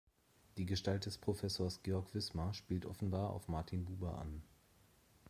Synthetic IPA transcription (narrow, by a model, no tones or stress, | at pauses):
d̥iːɡəʃtalt̚d̥ɛspʁ̥ofɛsoːɐsɡ̥eːɔɐkv̥ɪsmaʃpiːltʔɔfn̩baːɐʔa̰ʊfmaɐtʰinbuːbɐʔa̰n